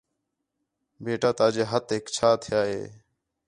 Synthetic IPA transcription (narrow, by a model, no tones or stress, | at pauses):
beːʈaːt̪aːd͡ʒeːɦət̪ɦeːkt͡ʃʰaːt̪ʰɪjaːɦḛː